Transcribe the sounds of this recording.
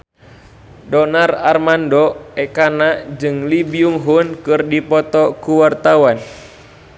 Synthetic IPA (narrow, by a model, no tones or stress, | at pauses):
dɔnararmandɔɛkanaʔd͡ʒɨŋlibiuŋɦunkɨrdipɔt̪ɔkuwart̪awan